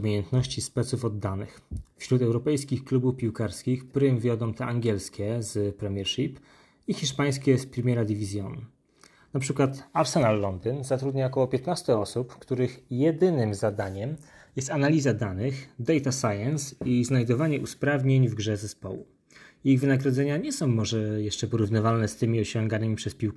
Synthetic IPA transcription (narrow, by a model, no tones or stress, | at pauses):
mʲejɛnt̪nɔɕt͡ɕispɛt̪sufɔd̪ːanɘxfɕɾut̪ɛwɾɔpɛjskʲixklubufpʲiwkaɾskʲixktɾɘmvʲjɔd̪ɔ̃w̃t̪ɛʔaŋɡʲɛlskʲɛzpɾɛmʲjɛɾʂip | ixʲiʂpaj̃skʲɛspɾʲɛmʲjɛɾad̪ʲivʲizʲjɔn | napʂɘkwat̪aɾsɛnalːɔnd̪ɘnzat̪ɾud̪ɲaɔkɔwɔpʲɛt̪nast̪ɛɔsupkt̪uɾɘxjɛd̪ɘnɘmzad̪aɲɛm | jɛst̪analʲizad̪anɘxd̪ɛjt̪asajɛnsiznajd̪ɔvaɲɛʔuspɾavɲeɲvɡʐɛzɛspɔwṵ | jiɣvɘnaɡɾɔd̪zɛɲaɲɛsɔ̃w̃mːɔʐɛjɛʂt͡ʂɛpɔɾuvnɘvalnɛst̪ɘmʲiɔɕɔŋɡanɘmʲipʂɛspʲiwk